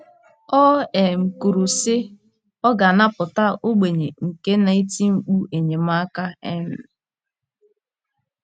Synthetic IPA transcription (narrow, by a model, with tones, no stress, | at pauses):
ɔ˦e˨ŋ͡m̩˨ku˨ɾu˨sɪ˦ | ɔ˦ɡa˨na˦pʊ˨ta˦o˦ɡ͡be˨ɲe˨ŋ̩˨ke˦na˨i˦ti˦ŋ͡m̩˨k͡pu˦ʔe˨ɲe˨m̩a˦ka˦ḛ˦m̩˨